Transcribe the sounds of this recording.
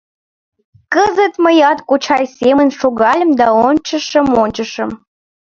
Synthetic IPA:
kəzə̆t̪mə̆jɑt̪kut͡ɕʰɑjsemə̆nʲʃoɣɑlʲə̆md̪ɑonʲt͡ɕə̆ʃə̆monʲt͡ɕə̆ʃə̆m

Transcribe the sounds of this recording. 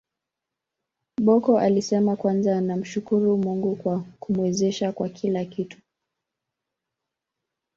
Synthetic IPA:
ɓɔkɔʔalisɛmakwanzanam̩ʃukuɾumuŋɡukwakumuwɛzɛʃakwakʰilakitu̥

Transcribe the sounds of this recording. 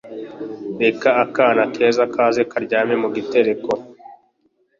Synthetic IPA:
bekaːkaːnakʰe̞ːzakʰaːzekaɾɟaːmemuɡite̞ɾe̞ko

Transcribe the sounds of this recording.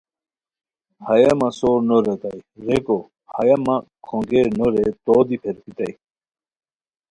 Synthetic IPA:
hɐjɐmɐsoːɾnoɾet̪ajɾeko | hɐjɐmakʰõŋɡeɾnoɾet̪oːd̪ipʰeɾpʰit̪ɐj

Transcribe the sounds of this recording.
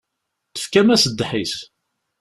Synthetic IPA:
θə̥fkæmæsəd̪ːħis

